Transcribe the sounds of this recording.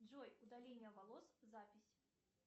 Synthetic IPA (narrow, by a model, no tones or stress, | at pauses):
d͡ʐɔjud̪alʲenʲːɐvalˠɔszapʲisʲ